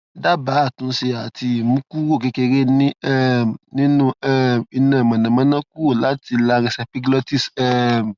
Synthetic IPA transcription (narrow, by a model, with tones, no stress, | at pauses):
da˦ba˨˦˨tũ˨˦se˧a˨tʰi˧˨mũ˦ku˦wo˦˨ke˦ke˧ɾe˦nĩ˦ɛ˦m˨nĩ˦nũ˦ɛ˦mi˧nã˨mã˨nã˨mã˦nã˦k̚u˦o˦˨la˨˦ti˧la˦ɾĩ˧sɛ˧pi˦ɡlɔ˦ti˦˨sɛ˦m˨